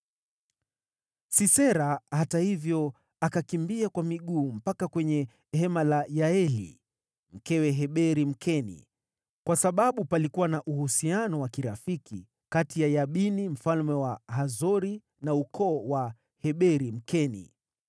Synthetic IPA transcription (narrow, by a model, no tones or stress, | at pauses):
sisɛɾahatahivjɔ | akakimbiakwamiɠuːm̩pakakwɛɲɛ | hɛmalajaɛlḭ | m̩kɛwɛɦɛɓɛɾim̩kʰɛnḭ | kwasaɓaɓupalikuwanaʔuhusianɔwakiɾafikḭ | katijajaɓinim̩falmɛwaɦazɔɾi | naukʰɔːwa | hɛɓɛɾim̩kɛnḭ